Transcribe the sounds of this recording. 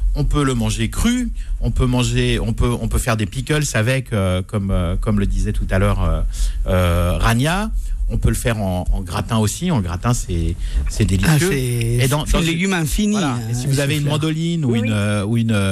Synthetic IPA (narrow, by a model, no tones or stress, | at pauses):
ɔ̃pøləmɑ̃ʒekχyɔ̃pømɑ̃ʒeɔ̃pøɔ̰̃pøfɛʁd̪epikʲœlsavɛkøkɔmøkɔmləd̪izɛt̪ut̪alœːʁøː | ʁanjaɔ̃pøləfɛʁɑ̰̃ːɡʁat̪ɛ̃osiɑ̃ɡʁat̪ɛ̃sɛsɛd̪elisjøed̪ɑ̃d̪ɑ̃leɡʲymɛ̃finiwlaesivuzaveynmɑ̃d̪ɔlinuynøuyn